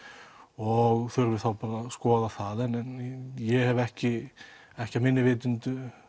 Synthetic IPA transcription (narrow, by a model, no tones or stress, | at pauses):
ɔɣθʏɾvɪθawpaːɾaskɔːðaθaðɛnɛnjɛhɛvɛhcɪ | ɛhcɪamɪnːɪvɪːt̪̬ʏnt̪ʏ